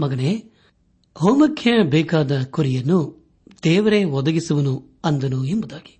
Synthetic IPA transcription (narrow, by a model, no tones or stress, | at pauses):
mɐɡɐneː | ɦoːmɐkʰjɐbɛːkaːd̪ɐkuɾijɐnːu | d̪ɛːʋɐɾe̞ʋɔd̪ɐɡisuʋɐnu | ɐnd̪ɐnuembud̪aːɡi̥